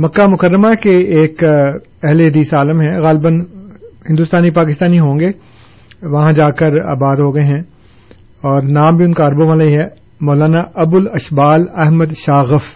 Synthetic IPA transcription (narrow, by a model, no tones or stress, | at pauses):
mɐkːamʊkəɾːəmakeeːk | ɛɦleɦɐd̪iːsaːləmɦɛ̃ɣaːlbənhɪ̃nd̪uːst̪aːnipaːk̬ɪst̪aːniɦõːŋɡe | ʋɐɦãd͡ʒaːkɐɾa̰ːbaːd̪ɦoːɡɐeɦɛ̃ | ɔːɾnaːmbʱiʊnkaɐɾbomalaiɦɛ | mɔːlaːnaʔɐbʊlɐʃbaːlɛɦməd̪ʃaːɣəf